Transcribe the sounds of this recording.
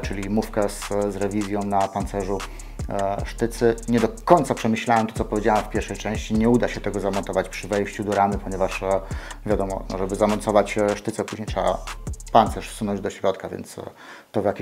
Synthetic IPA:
t͡ʂɘlʲimufkɛszɾɛvʲizʲjɔ̃w̃napant̪sɛʐu | ʂt̪ɘt̪sɘɲɛd̪ɔkɔɲʲt̪sapʂɛmɘɕlawɛmt̪ɔt̪ɔpɔvʲjed͡ʑawamfpʲjɛɾʂɛjt͡ʂɛ̃w̃ɕt͡ɕiɲɛud̪aɕɛt̪ɛɡɔzamɔnt̪ɔvat͡ɕpʂɘvɛjɕt͡ɕud̪ɔɾamɘpɔɲɛvaʂvʲjad̪ɔmɔ̰nɔ̰ʐɛbɘzamɔntsɔvat͡ɕʂt̪ɘt̪sɛpuʑɲejt̪ʂɛba̰pant̪sɛʂfsunɔ̃ɲd͡ʑd̪ɔɕɾɔt̪kavʲjɛ̰nt̪s | t̪ɔvjakʲ

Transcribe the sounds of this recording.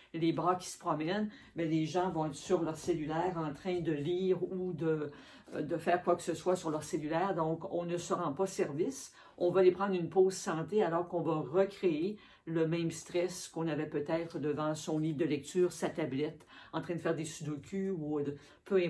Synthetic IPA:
lebʁakʲi̥sə̥pχɔmɛn | mɛleʒɑ̃vɔ̃ɛt̪χsyʁlœʁselylɛːʁɑ̃t̪χɛ̃d̪əliːʁud̪ə | d̪əfɛːʁkwaksəswasyʁlœʁselylɛːʁd̪ɔ̃kɔ̃nəsəʁɑ̃pasɛʁvis | ɔ̃valepʁɑ̃ːd̪ʁynpozsɑ̃t̪ealɔʁkɔ̃vaʁəkʁee | ləmɛ̃mst̪ʁɛskɔ̃navɛpøt̪ɛːt̪χəd̪əvɑ̃sɔ̃liːvd̪əlɛk̚t̪yːʁsat̪ablɛt̪ɑ̃t̪ʁɛ̃d̪əfɛːʁd̪esyd̪okʲʰyu | pʰøɛ̃

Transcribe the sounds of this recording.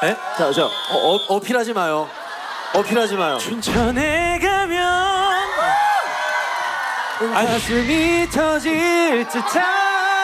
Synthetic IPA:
et͡ɕat͡ɕaʌʔʌpʰiɾad͡ʑimajo | ʌpʰiɾad͡ʑimajo̰t͡ɕunt͡ɕʰʌneɡamjʌ | ajasʰɯmit͡ɕʰʌd͡ʑiɭt͡ɕ͈it͡ɕʰa

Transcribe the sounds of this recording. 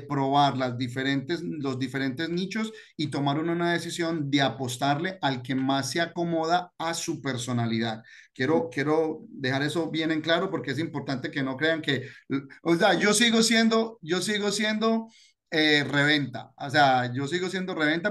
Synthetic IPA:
pɾo̞βaɾlazd̪ife̞ɾe̞nt̪e̞zlo̞zd̪ife̞ɾe̞nt̪e̞znit͡ʃo̞s | it̪o̞maɾununaðe̞sisjo̞nd̪e̞apo̞st̪aɾle̞ʔalke̞masːeako̞mo̞ðaasupe̞ɾso̞naliðað | kje̞ɾo̞kje̞ɾo̞d̪e̞xaɾe̞so̞βje̞ne̞ŋklaɾo̞po̞ɾke̞es̬impo̞ɾt̪ant̪e̞ke̞no̞kɾe̞aŋke̞osead͡ʒo̞siɣo̞sje̞nd̪o̞d͡ʒo̞siɣo̞sje̞nd̪o̞ | ere̞βe̞nt̪a̰osead͡ʒo̞siɣo̞sje̞nd̪o̞re̞β̞e̞nt̪a

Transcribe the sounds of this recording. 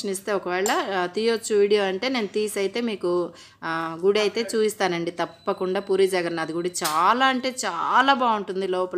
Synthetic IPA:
ɐnist̪e̞ːɔkɐʋɛːɭɐt̪ijot͡ʃːuʋiːɽijo̞ːɐɳʈe̞ːne̞ːnut̪iːsɐjt̪e̞ːmiːku | ɡuɽiɐjt̪e̞ːt͡ʃuːpist̪aːnɐɳɖit̪ɐpːɐkuɳɖaːpuːɾid͡ʒɐɡɐɾɐnɐd̪iɡuɽit͡ʃaːlaːɐɳʈe̞ːt͡ʃaːlaːbaːuɳʈund̪ilɔːpɐ

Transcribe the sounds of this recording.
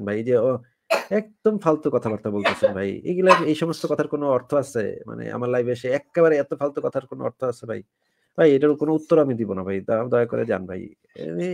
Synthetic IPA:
bʱajd͡ʑeo | ɛk̚d̪̥omfalt̪okɔt̪ʰabaɾt̪abolt̪easʰenbʱajḛɡulaejʃɔmost̪okɔt̪ʰaɾkonoɔɾt̪ʰoasḛma̰nḛa̰maɾlajbeʃeɛkːeβaɾeɛt̪ofalt̪okɔt̪ʰaɾkono̰ɔ̰ɾt̪ʰoasebʱa̰j | bʱajeʈaɾkonout̪ːoɾoamid̪ibonabʱaj̪d̪ɔeako̰ɾḛd͡ʑa̰nbʱa̰j

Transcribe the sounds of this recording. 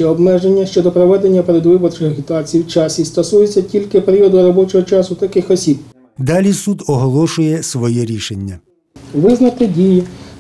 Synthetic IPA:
ɛɔbmɛʒenʲːɐʃt͡ʃɔd̪ɔpɾɔʋɛd̪e̞nʲːɐpeɾed̪ʋɪbɔrt͡ʃɪxɐɦʲit̪ɑt͡sʲijiwt͡ʃɑsʲist̪ɔsujet͡sʲːɐtʲilʲkɪpeɾʲiɔd̪ʊɾɔbɔt͡ʃɔɦɔt͡ʃɑsʊt̪ɐkɪxɔsʲib̚ | d̪ɑlʲisud̪ɔɦɔlˠɔʃʊjɛsʋɔjɛɾʲiʃenʲːɐ | ʋɪznɐt̪ɪdʲiji

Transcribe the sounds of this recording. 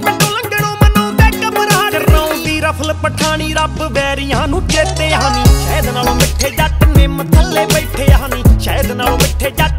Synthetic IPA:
mɪ̃ʈõːlə̃ŋɡəɽõːmənõːd̪eːkəməɾaːnãõːt̪iːɾəpʰəlpəʈʰaːɽ̃iːɾəbbɛːɾjɦãːnũːd͡ʒeːt̪eːɦãːnĩːʃəəd̪naːlõːmɪʈʰːeːd͡ʒaʈnẽːmət̪ʰəlːeːbəiʈʰeːɦãːnĩːʃəːəd̪naːlõːmɪʈʰeːd͡ʒaʈ

